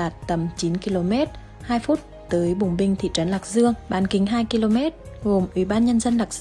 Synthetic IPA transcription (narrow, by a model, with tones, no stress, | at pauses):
aː˨˩t̚t̪ə˧˩mt͡ɕi˨˦nki˧lo˧mɛ˦˥t̚ | haː˧jfu˦˥t̚ | t̪əː˨˦jɓʊ˨˩ŋ͡mɓï˧ŋ̟t̪ʰḭ˧˨t͡ɕə˨˦nla˨˩k̚zɨ˧əŋɓaː˧˩nkï˨˩˦ŋ̟ɦaː˧jki˧lo˧mɛ˦˥t̚ɣo˨˩mʔwḭ˧˩ɓaː˧nɲə˧nzə˧nlaː˨˩k̚